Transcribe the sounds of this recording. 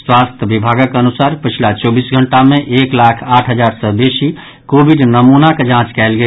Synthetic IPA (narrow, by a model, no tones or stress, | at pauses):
swast̪ʰjəbibʱaɡəkənusaɾpət͡ʃʰilat͡ʃɔbisɡʱəɳʈamẽʔeklakʰaːʈʰɦəd͡ʒaɾsəbesi | kobʱiɖnəmunaked͡ʒãt͡ʃkɛɪlɡe